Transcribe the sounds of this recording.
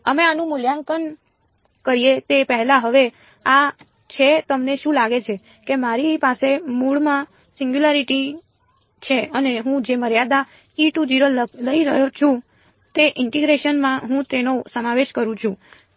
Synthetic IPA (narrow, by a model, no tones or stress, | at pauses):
əmeanũmʊljaŋkən | kəɾijet̪epəɦɛlaɦəʋe | a | t͡ʃʰet̪əmneʃũlaɡet͡ʃʰe | kemaɾipasemuɭmã | sĩŋɡjulaɾiʈi | t͡ʃʰeəneɦũd͡ʒeməɾjad̪a | iʈud͡ʒiɾəlləiɾəɦjot͡ʃʰũ | t̪eʔɪɳʈiɡɾeʃənmãɦũt̪enosəmaʋeʃkəɾũt͡ʃʰũ